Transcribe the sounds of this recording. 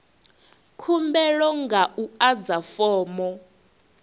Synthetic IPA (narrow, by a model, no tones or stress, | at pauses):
kʰumbɛlɔŋɡaʔuad͡zafɔːmɔ